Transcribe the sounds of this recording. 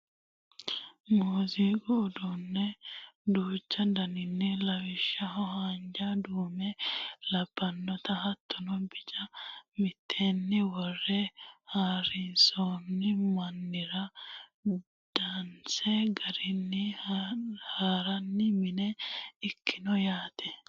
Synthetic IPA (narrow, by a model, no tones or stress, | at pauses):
muːzikɔːd̪unːɛd̪uːt͡ʃːɐd̪ɐnɪnːɪlɐwɪʃːɐɦɔɦaːnd͡ʒad̪uːmelɐb̥ːɐnːɔt̪ɐɦɐt̪ːɔnɔbɪt͡ʃɐmɪt̪ʰːeːnːɪwɔrːɛhaːɾɪnsonːɪmɐnːɪɾɐ | d̪̥ant͡sɛɡɐɾɪnːɪ | haːɾɐnːɪmɪnɛɪkːɪnɔjaːt̪ɛ